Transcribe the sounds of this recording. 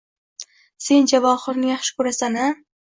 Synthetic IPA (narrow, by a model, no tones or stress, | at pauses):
se̞nd͡ʒavɒχɨɾnɪjaχʃɪ̥kʰɵɾasana